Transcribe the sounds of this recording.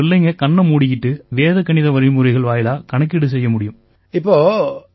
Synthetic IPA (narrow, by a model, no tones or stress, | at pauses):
ɪlːɐŋɡɐkɐɳːɐmuːɽɪkːɪʈːɯʋeːðɐkːɐɳɪðɐʋɐɾɪmʊɾɐɪɣɐɭʋaːjɪlaːkɐɳɐk̬ːɪɽɯs̬ɛjːɐmʊɽɪjɯm | ɪpːoː